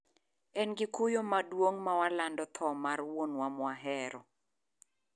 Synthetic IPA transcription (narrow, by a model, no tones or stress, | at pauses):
ɛnɡɪkʊjomadwoŋmawalandɔt̪ʰɔmarwonwamwaɦɛɾɔ